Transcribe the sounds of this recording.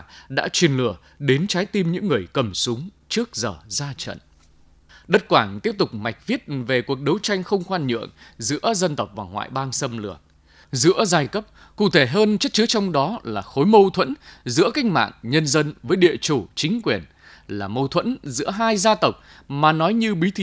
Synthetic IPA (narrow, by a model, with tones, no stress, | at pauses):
ɗa̰ː˧˥t͡ɕwi˨˩ənlɨ˧˩ə | ɗe˨˦nt͡ɕaː˨˦jt̪i˧mɲɨ̰˧˥ŋːɨ˨˩əjkə˨˩msʊ˨˦ŋ͡m | t͡ɕɨ˦˥ək̚zəː˨˩zaː˧t͡ɕə̰˧˨n | ɗə˦˥t̚kwaː˧˩ŋt̪i˦˥əp̚t̪ʊ˨˩k͡p̚ma˨˩jk̟̚vi˦˥ət̚ve˨˩ku˨˩ək̚ɗə˨˦wt͡ɕa˧jŋ̟xə˧wŋ͡mxwaː˧nɲɨ̰˧˨əŋzɨ̰˧˥əzə˧nt̪ə˨˩wk͡p̚va̰ː˨˩wŋwa̰ː˧˨jɓaː˧ŋsə˧mlɨ̰˧˩ə | zɨ̰˧˥əzaː˧jkə˦˥p̚ | kṵ˧˨t̪ʰe˧˩ɦəː˧nt͡ɕə˦˥t̚t͡ɕɨ˨˦t͡ɕɔ˧wŋ͡mɗɔ˨˦laː˨˩xo˨˦jmə˧wt̪ʰwə̰˧˥nzɨ̰˧˥əka˧jŋ̟ma̰ː˧˨ŋɲə˧nzə˧nvəː˨˦jɗḭ˧˨ət͡ɕu˧˩t͡ɕï˨˦ŋ̟kwi˨˩ən | laː˨˩mə˧wt̪ʰwə̰˧˥nzɨ̰˧˥əɦaː˧jzaː˧t̪ə˨˩wk͡p̚ | maː˨˩nɔ˨˦jɲɨ˧ɓi˨˦t̪ʰi˨˦